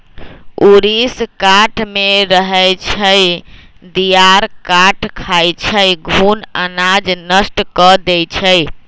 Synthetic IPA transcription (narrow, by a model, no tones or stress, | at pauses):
uɾiskaʈʰmeɾəɦəjt͡ʃʰəj | d̪ijaɾkaʈʰkʰajt͡ʃʰəjɡʱunənad͡ʒnəsʈkɔd̪ɛjt͡ʃʰəj